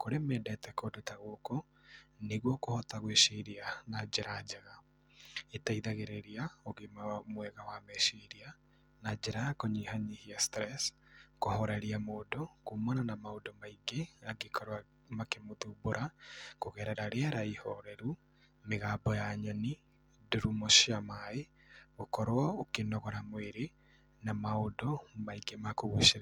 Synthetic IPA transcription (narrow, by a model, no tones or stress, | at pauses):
koɾemɛdɛtɛkodotaɣokɔ | neɣwɔkohɔtaɣweʃeɾianad͡ʒeɾad͡ʒaɣa | etaiðaɣeɾeɾiaoɣemamwɛɣawamɛʃeɾia | nad͡ʒeɾakoɲihaɲihiastɾɛs | kohɔɾɛɾiamoːdokumɔnanamaodɔmaiɡeaɡekʰɔɾoa | makemotuboɾakoɣɛɾɛɾaɾeaɾaihɔɾɛɾu | meɣabɔjaɲɔni | duɾumoʃiamae | ɣokɔɾwɔokenɔɣɔɾamweɾe | namaodɔmaiɡemakoɣoʃeɾa